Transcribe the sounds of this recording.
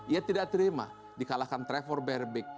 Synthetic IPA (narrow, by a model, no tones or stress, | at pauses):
ʔiat̪idak̚t̪əɾima̰ | dikalakant̪ɾɛfɔrbɛrbɪk̚